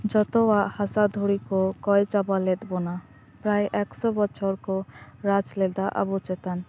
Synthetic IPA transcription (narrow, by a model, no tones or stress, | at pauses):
d͡ʒɔt̪ɔwaʔhasad̪ʱuɽikɔkɔjt͡ʃabalɛt̪bɔna | pɾajʔɛksɔbɔt͡ʃʰɔɾkɔɾat͡ʃlɛd̪aʔa̰bɔt͡ʃɛt̪an